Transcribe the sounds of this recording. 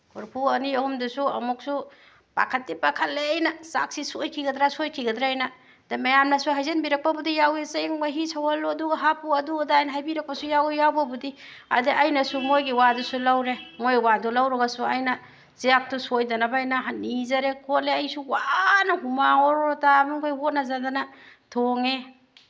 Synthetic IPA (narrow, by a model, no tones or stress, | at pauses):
kʰuɾpʰuɐniɐhumdusuɐmuk̚su | pa̰kʰɐt̚dipakʰalːeːjnɐsa̰ksisojkʰiɡɐdɾasojkʰiɡɐdɾaajna | damɐjamnɐsuɦajzenbiɾɐk̚pabudijawesaŋmɐɦisʰawaloɐduɡɐɦapuɐduɡɐdajnɐɦajbiɾɐk̚pɐsujawjawbabudi | a̰deʔajnɐsumojɡiwadusulawɾemojwadulawɾɔɡasuajnɐ | z̥iak̚tusojdɐnabaːjnaɦanizɐɾekʰotleajsuwanɐɦumaŋɔɾɔɾɔtamikʰojhot̚nazadanatʰoŋe